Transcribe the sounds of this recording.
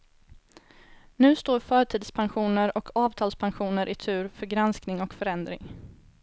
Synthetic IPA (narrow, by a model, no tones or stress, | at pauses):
nʉ̟ːst̪oːɾfœːɾʈʰiːd̪spʰanɧuːnəɾɔkʰɑːvt̪ʰɑːlspʰanɧuːnəɾʔɪt̪ʰʉ̟ːɾfœɾɡɾansknɪŋɔkfœɾɛnd̪ɾɪ̰ŋ